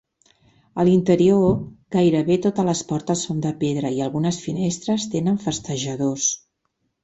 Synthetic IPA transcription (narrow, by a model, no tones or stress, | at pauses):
əlint̪əɾioɡajɾəβet̪ot̪ələspɔɾt̪əsːond̪əpeðɾəiəlˠɣunəsfinest̪ɾəst̪enəɱfəst̪əʒəðos